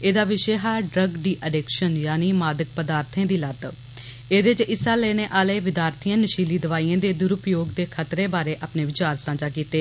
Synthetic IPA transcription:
eːd̪aːʋɪʃeːɦaːɖɾəɡd̪iːʔəɖeːkʃənjaːniːmaːd̪ək̚pəd̪aːɾt̪ʰẽːd̪iːləd̪ | eːd̪eːt͡ʃʔɪsãːleːneːʔaːleːʋɪd̪aːɾt̪ʰijãːnəʃiːliːd̪əʋaːiːãːd̪eːd̪ʊɾʊpjoːɡd̪eːkʰət̪ɾeːbaːɾeːʔaːpneːʋɪt͡ʃaːɾsãːd͡ʒaːkiːt̪eː

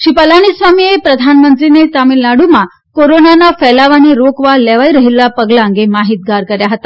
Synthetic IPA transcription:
ɕipəlaɽ̃isʋamiepɾəd̪ʱanmənt̪ɾinet̪amiːlnaɽuma | koɾonanafɛlaʋaɽ̃iːɾokʋalɛʋaiɾəɦilːapəɡlaŋɡemaɦiːt̪̚ɡʱaɾkəɾjaɦət̪a

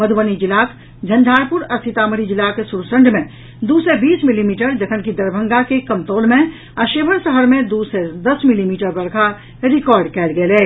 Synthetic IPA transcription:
mɐd̪ʱbənid͡ʒɪlaːk | d͡ʒʱɐ̃nd̪ʱaːɾpʊɾɐst̪ʰɪt̪aːməɾid͡ʒɪlaːkesuɾsə̃ɳɖmẽ | d̪uːsebiːsmɪlimiːʈəɾd͡ʒɐkʰənkid̪ɐɾbʱə̃ŋɡakekɐmt̪oːlmẽ | ɐʃeːbʱəɾsəɦəɾmẽd̪used̪ɐsmɪlimiːʈəɾbɐɾkʰa | ɾɪkɔːɾɖkɛːlɡɐlɛː

